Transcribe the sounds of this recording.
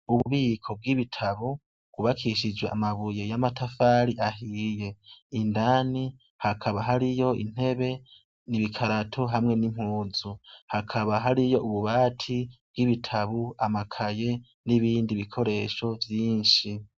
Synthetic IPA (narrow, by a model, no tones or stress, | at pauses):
uβuβiːkʰo̞b̚ɡiβitʰaβu | ɡ̥uβakʰiʃid͡ʒweʔamaβuje̞jamatafaːɾiʔaɦiːje̞indaːni | hakʰaβaɦaɾijo̞ḭn̥he̞βe̞ | niβikʰaɾatʰoɦamŋe̞nim̥huːzuhakʰaβaɦaɾijo̞ʔuβuβaːtʰib̥̚ɡ̥iβitʰaβuamakʰaje̞ | niβiːndiβikʰo̞ɾe̞ːʃo̞vjiːɲʃi